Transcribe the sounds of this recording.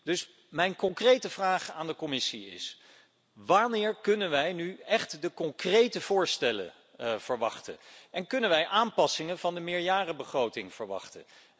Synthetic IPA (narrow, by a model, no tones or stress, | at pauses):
d̥ɵs | mɛjnkɔŋkrejtəv̥raːχaːndəkomɪsiɪ̰s | ʋaːɹnɪːɹkɵnənʋɛjnyɛχtdəkɔŋkrejtəv̥ʊːɹstɛlə̰ | v̥əɹʋɑχtə̰nʔɛnkɵnənʋɛjʔaːmpɑsɪŋənvɑndəmɪːɹjaːrəbəχrowtɪŋv̥əɹʋɑ̰χtə̰